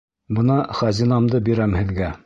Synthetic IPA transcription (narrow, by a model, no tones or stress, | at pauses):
bɤ̆nɑχɑzinɑmd̪ɤbiɾæmhɘ̆ðɡæ